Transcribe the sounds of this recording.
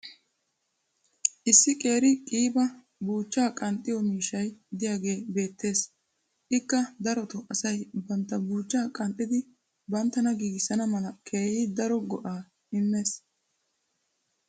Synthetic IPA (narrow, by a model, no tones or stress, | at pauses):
ʔɪsːɪkʼe̞ːɾɪkʼiːbɐ | buːt͡ʃːaːkʼɐnt̪ʼːɪjɔmiːʃɐjd̪ɪjaːɡe̞ːbe̞ːt̪ʰːe̞ːs | ʔɪkːɐd̪ɐɾɔt̪ɔʔɐsɐjbɐnt̪ːɐbuːt͡ʃːaːkʼɐnt̪ʼːɪd̪ɪ | bɐnt̪ːɐnɐɡiːɡɪsɐnɐmɐlɐkʰeːjid̪ɐɾɔɡɔʔaː | ɪmːe̞ːs